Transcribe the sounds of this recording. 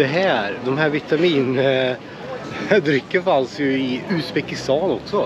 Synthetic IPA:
d̪ɛɦæːɾd̪ɔmɦæːɾvɪt̪amiːnə | ɖ̪ɾʏkːəɾfansjɵɪʉːspɛkɪst̪ɑːnɔksɔ

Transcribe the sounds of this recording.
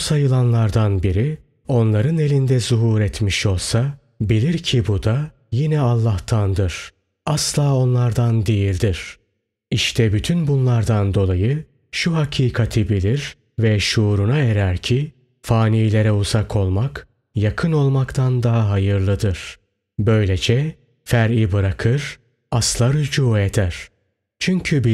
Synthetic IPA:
busajɯlˠanlˠaɾd̪anbiɾi | o̞nlˠaɾɯne̞lʲind̪ɛzuɦuːɾɛt̪miʃo̞lˠsa | bilʲiɾcʰibud̪a | jinɛalˠːaht̪ʰand̪ɯɾ̥ | aslˠaːo̞nlˠaɾd̪and̪ejilʲd̪iɾ̥ | iʃt̪ʰɛbyt̪ʰynbunlˠaɾd̪and̪o̞lˠajɯ | ʃuɦacʰiːkʰat̪ʰibilʲiɾ | vɛʃuːɾunaeɾæɾcʰi | faːniːlʲe̞ɾɛuzakʰo̞lˠmak | jakʰɯno̞lˠmakt̪ʰand̪aɦaɦajɯɾlˠɯd̪ɯɾ̥ | bø̞jlʲed͡ʒɛ | fæɾibɯɾakʰɯɾ̥ | aslˠaɾyd͡ʒuːed̪æɾ̥ | t͡ʃʰyɲcʰybi

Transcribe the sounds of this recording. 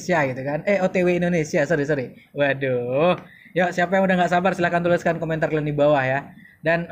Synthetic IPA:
siaɡit̪ukanɛhot̪eweindonesiasəɾisəɾi | wadoh | josiapajaŋudahŋɡaʔsabarsilahkant̪ulɪskankoment̪arlandibawahja | dan

